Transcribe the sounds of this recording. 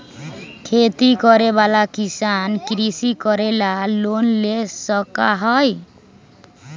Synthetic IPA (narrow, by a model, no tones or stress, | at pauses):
kʰet̪ikɔɾebalakisankɾisikɔɾelalonlesəka̰ɦɔj